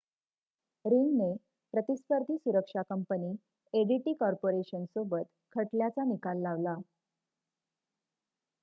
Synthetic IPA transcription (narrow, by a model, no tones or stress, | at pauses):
ɾiŋne | pɾət̪ispəɾd̪ʱiːsuɾəkʂakəmpəniː | eɽiʈiːkɔɾpoɾeɕənsobət̪ | kʰəʈljat͡sanikalːaʋla